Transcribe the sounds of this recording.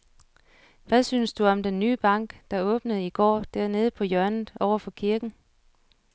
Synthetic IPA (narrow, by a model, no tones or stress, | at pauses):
ʋæsynsd̥uɒ̽md̥enːyːb̥ɑ̈ŋ̰ɡ̥d̥ɑ̈ɔ̽ːb̥nəð̞̩ˠiɡ̥ɒ̰ːd̥æɐ̰ne̝ːð̞ˠəpʰɒ̽jœɐ̰nð̩ˠɒʊɐfɒ̽kʰiɐɡ̥n̩